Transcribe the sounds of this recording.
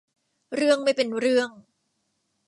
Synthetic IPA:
ɾɯ˥˩əŋma˥˩jpe˧nɾɯ˥˩əŋ

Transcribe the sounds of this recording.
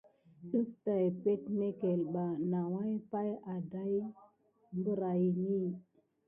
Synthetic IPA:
ɗə˦kta˨jpe˦tme˦ke˨lɓa˨na˨wa˦jpa˦ja˨da˦j | mbə˦ɾa˨jni˦

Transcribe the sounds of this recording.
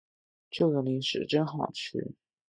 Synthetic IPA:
t͡ɕjo˥˩ʊjo˧˩ni˧˥nʂɻ̩˨˧˩ʈ͡ʂə˥nxɑ˨˩ʊt͡ɕʰy̰˥˩

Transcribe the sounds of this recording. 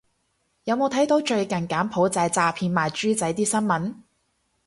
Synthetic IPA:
jɐ˨˧wmo˨˧wt̪ʰɐ˨˥jt̪o˨˥wt͡ʃɵ˧ɥkɐ˨˩nkaː˨˥npʰo˨˥wt͡sɐ˧jt͡saː˧pʰiː˧nmaː˨˩jt͡ʃyː˥t͡sɐ˨˥jt̪iː˥sɐ˥nmɐ˨˥n

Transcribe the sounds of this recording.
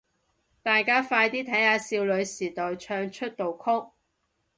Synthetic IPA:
t̪aː˨jkaː˥faː˧jt̪iː˥t̪ʰɐ˨˥jhaː˨˧siː˧wlɵ˨˧ɥsiː˨˩t̪ɔː˨jt͡ʃʰœː˧ŋt͡ʃʰɵ˥t̚t̪o˨wkʰʊ˥k̚

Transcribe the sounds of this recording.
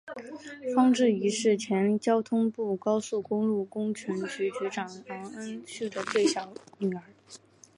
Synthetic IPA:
fɑ˥ŋʈ͡ʂɻ̩˥˩i˧˥ʂɻ̩˥˩t͡ɕʰjɛ˧˥nt͡ɕjɑ˥ʊt̪ʰʊ˥ŋpu˥˩kɑ˥ʊsu˥˩kʊ˥ŋlu˥˩kʊ˥ŋt͡ɕʰy˧˥nt͡ɕy˧˥t͡ɕy˧˥ʈ͡ʂɑ˨˩ŋlɑ˧˥ŋə˥nɕy˥˩d̪ə˩t͡swe˥˩ɪɕjɑ˨˥˦ʊny˨˩ə˞˨˧˥

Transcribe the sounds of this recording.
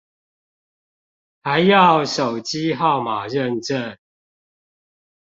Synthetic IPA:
ha˨˦ɪjɑ˥˨ʊʂo˨˩ʊt͡ɕi˦ɦɑ˥˨ʊma˨˩ɻə˥˨nʈ͡ʂə˦˨n

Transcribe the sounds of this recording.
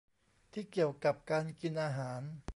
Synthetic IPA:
t̪ʰiː˥˩ki˨˩əwka˨˩p̚kaː˧nki˧nʔaː˧ɦaː˩˦n

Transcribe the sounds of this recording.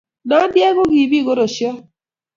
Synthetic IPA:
nɔ˨˦djɛ˦ɣo˦ɣi˨bi˦˨ɣo˦ɾo˨ʃjɔ˦

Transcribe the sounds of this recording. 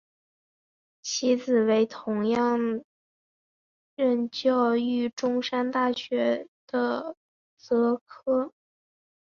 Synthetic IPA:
t͡ɕʰi˧˥t͡sɹ̩˨˩we˧˥ɪt̪ʰʊ˧˥ŋjɑ˥˧ŋ | ɻə˥˩nt͡ɕjɑ˥˧ʊy˥˩ʈ͡ʂʊ˥ŋʂa˥nt̪a˥˩ɕɥɛ˧˥d̪̥ə˧ | t͡sɤ˧˥kʰɤ˥

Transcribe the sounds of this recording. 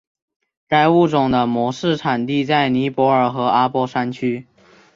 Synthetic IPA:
ka˥˧ɪu˥˩ʈ͡ʂʊ˨˩ŋd̪ə˦mwɔ˧˥ʂɻ̩˥˩ʈ͡ʂʰa˨˩nt̪i˥˧t͡sa˥˩ɪni˧˥pwɔ˧˥ə˞˨˩xɤ˧˥a˥pwɔ˥ʂa˥nt͡ɕʰy˥

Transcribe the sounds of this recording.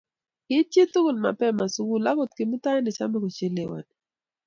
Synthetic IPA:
kɪ˦t͡ʃje˦t̪u˦ɡʊ˨lma̰˨pɛ˦ma˨su˨ɡu˦la˦ko˦t̪̚kɪ˨mʊ˦ta˦ɛ˦nɪ˨t͡ʃa˦mɛ˦ko˨t͡ʃe˦le˨wa̰˨n˨

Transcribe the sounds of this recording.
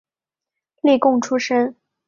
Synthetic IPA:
li˥˧kʊ˥˩ŋʈ͡ʂʰu˥ʂə˥ŋ

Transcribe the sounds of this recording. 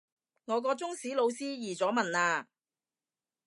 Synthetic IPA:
ŋɔː˨˧k̬ɔː˧t͡sʊ˥ŋsiː˨˥lo˨˧wsiː˥jiː˨˩t͡sɔː˨˥mɐ˨naː˧

